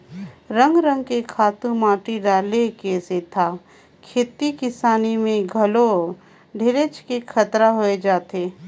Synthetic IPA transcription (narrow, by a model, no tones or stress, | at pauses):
ɾə̃ŋɡɾə̃ŋɡkekʰaːt̪ũmaːʈiɖaːlekeset̪ʰa | kʰeːt̪ikɪsaːnimẽɡʱɐlo | ɖʱeɾet͡ʃkekʰət̪ɾaɦoed͡ʒaːt̪eː